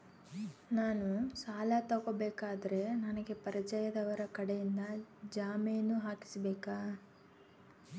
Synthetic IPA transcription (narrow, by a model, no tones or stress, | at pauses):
naːnusaːlat̪ɐɡoːbɛːkaːd̪ɐɾe̞nɐnɐɡe̞pɐɾɐt͡ʃɐjɐd̪ɐʋɐɾɐkɐɽejind̪ɐd͡ʒaːmejɐnːuɦaːki̥sɐbɛːkaː